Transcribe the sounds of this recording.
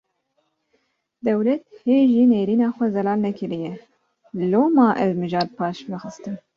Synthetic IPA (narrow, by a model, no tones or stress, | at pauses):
d̪ɛwlɛt̪heːʒiːneːɾiːnɑːxʷɛzɛlɑːlnɛkʰɨɾijɛ | loːmɑːʔɛzmɨʒɑːɾ̚pʰɑːʃvɨxɨst̪ɨn